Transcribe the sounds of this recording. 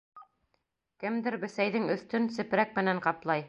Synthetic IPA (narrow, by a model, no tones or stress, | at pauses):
kɘmd̪ɘɾbɘ̆sæjðɘŋɵ̆θt̪ɵnsɘ̆pɾæk̚mɘ̆næɴqɑplˠɑj